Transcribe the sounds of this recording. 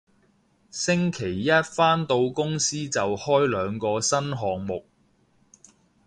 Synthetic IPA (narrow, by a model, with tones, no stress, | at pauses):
sɪ˥ŋkʰe˨˩jːɐ˥t̚faː˥nt̪o˧wkʊ˥ŋsiː˥t͡sɐ˨whɔː˥jlœː˨˧ŋkɔː˧sɐ˥nɦɔː˨ŋmʊ˨k̚